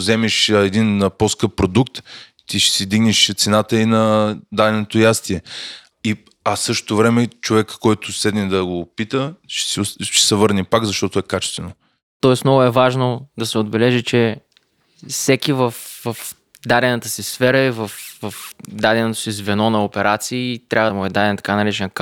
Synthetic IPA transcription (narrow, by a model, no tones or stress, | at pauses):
zɛmɛʃɛd̪inposkɤp̚ːɾod̪ukt̪ | t̪iʃɛ̥sid̪iɡnɛʃt̪sɛnat̪əinɐd̪aɾɛnot̪ojast̪iɛ | i | ɐsɤʃt̪o̥t̪ovɾɛmɛt͡ʃovɛkkːɔjt̪ʊsɛd̪nɛd̪ɐɡopit̪əʃɛ̥sʃɛ̥sɛvɤɾnipaɡzɐʃt̪ɔt̪ʊɛkat͡ʃɛ̥st̪vɛno | t̪ɔɛsmnɔɡʊɛvaʒnod̪ɐsɛod̪bɛlɛʒit͡ʃɛ | fsɛkivəfvəf | d̪ad̪ɛnət̪əsisfɛɾəivəfvəfd̪ad̪ɛnot̪o̥sizvɛnɔnɐopɛɾat̪siːt̪ɾʔavəmuɛd̪ad̪ɛnt̪ɐ̥kanɐɾɛt͡ʃɛnk